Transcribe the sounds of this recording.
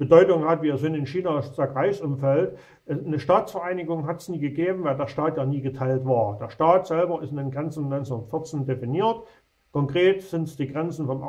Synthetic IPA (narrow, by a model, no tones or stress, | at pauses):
b̥ədɔʏtʊŋhatv̥iːɐzɪnɪnʃiːnasz̥aːkʁaɪçsʔʊmfɛlt | ʔnəʃtaːt͡sfɛɐʔaɪnɪɡʊŋɦatəsniːɡəɡeːbm̩vaɪldeːɐʃtaːtjaːniːɡətʰaɪltv̥aːɐd̥eːɐʃtaːtz̥ɛlbɐɪstɪndenɡʁɛnt͡sn̩nɔʏɪnt͡sentfɪɐt͡sndefiniːɐt | kʰɔŋkʁ̥eːtz̥ɪntsd̥iːɡʁɛnt͡sn̩fɔmʔ